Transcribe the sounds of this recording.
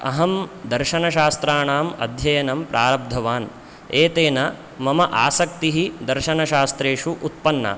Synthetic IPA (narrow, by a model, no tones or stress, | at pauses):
ɐ̰ɦɐmd̪ɐɾʃɐnɐʃaːst̪ɾaːɳaːmɐ̰d̪ʱjɐjɐnɐmpɾʔaːɾɐb̚d̪ʱɐʋaːn | eːt̪eːnɐ | mɐmɐʔaːsɐk̚t̪iɦid̪ɐɾʃɐnɐʃaːst̪ɾeːʂuʔut̪̚pɐnːɐ̰